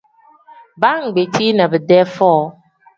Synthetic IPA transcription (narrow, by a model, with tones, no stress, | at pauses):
ba˦ŋ̩˨ɡ͡be˨tʰi˦nã˨bɛ˨dɛ˦fɔ˦